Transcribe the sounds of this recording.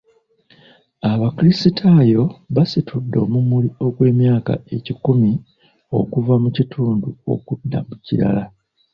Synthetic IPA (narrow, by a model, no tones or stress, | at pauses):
aβaklisitʰajo̞βasitʰudːo̞ːmumulio̞kwe̞ːmjaːka̰e̞cikumi | o̞̰kuvamucitʰuːnduo̞̰kudːa̰muciɾa̰la